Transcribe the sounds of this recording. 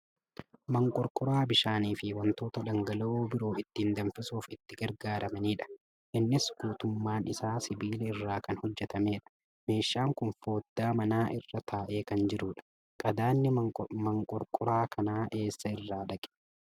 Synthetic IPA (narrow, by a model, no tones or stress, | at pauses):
mɐŋkʼɔɾkʼʊɾaːbɪʃaːniːfɪwɐnt̪o̞ːt̪ɐᶑɐŋɡɐlɐoːbɪɾo̞ːɪt̪ːiːnd̪ɐmfɪsuːfɪt̪ːɪɡɐɾɡaːɾɐmɐniːᶑɐ̥ | ʔɪnːɪsɡ̥uːt̪ʊmːaːnɪ̰saːsɪbiːlɛɪrːaːkɐnhɔd͡ʒːɛt̪ɐme̞ːᶑɐ̥ | me̞ːʃːaːŋkʊnfo̞ːd̪̥ːaːmɐnaːʔɪrːɐt̪ʰaːʔe̞ːkɐnd͡ʒɪɾuːᶑɐ̥ | kʼɐd̪aːnːɪmɐŋkʼɔɾkʼʊɾaːkʰɐnaːʔe̞ːsːɐɪrːaːᶑɐkʼɛ̥